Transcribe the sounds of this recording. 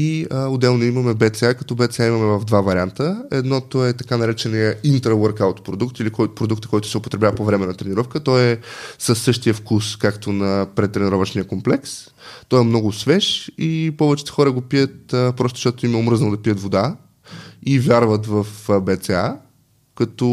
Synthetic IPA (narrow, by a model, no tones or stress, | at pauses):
iəʊd̪ɛlˠnoimɐmɛbɛt̪sɛakɐt̪ɔbɛt̪sɛaimɐmɛvɐvd̪vavɐɾʲant̪əɛd̪nɔt̪oɛt̪ɐkanɐɾɛt͡ʃɛnijəint̪ɾəwəɾkawt̪o̥pɾod̪ukt̪ilikɔjpɾod̪ukt̪əkːɔjt̪ʊ̥sɛopo̥t̪ɾɛbʲavɐpovɾɛmɛnɐt̪ɾɛnʲiɾɔfkət̪ɔɛsəsːɤʃt̪ijəfkuskakt̪onɐpɾɛt̪ɾɛniɾɔvəʃnijəkomplɛks | t̪ɔɛmnɔɡʊsvɛʃipɔvɛt͡ʃɛ̥t̪ɛ̥xɔɾəɡopijət̪əpɾɔst̪o̥ʃt̪ɔt̪ʊimɛomɾɤzənd̪ɐpijət̪vod̪a | ivʲjaɾvət̪vəfbɛt̪sɛa | kɐt̪ɔ